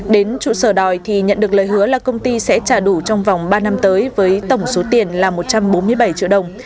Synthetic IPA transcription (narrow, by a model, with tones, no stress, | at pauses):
ɗe˨˦nt͡ɕṵ˧˨səː˧˩ɗɔ˨˩jt̪ʰi˨˩ɲə̰˧˨nɗɨ˨˩ək̚ləː˨˩jɦɨ˨˦əlaː˨˩kə˧wŋ͡mt̪i˧sɛ̰˧˥t͡ɕaː˧˩ɗu˧˩t͡ɕɔ˧wŋ͡mva˨˩wŋ͡mɓaː˧na˧mt̪əː˨˦jvəː˨˦jt̪ə˧˩wŋ͡mso˨˦t̪i˨˩ənlaː˨˩mo˨˩t̚t͡ɕa˧mɓo˨˦nmɨ˧əjɓa˧˩jt͡ɕḭ˧˨əɗə˨˩wŋ͡m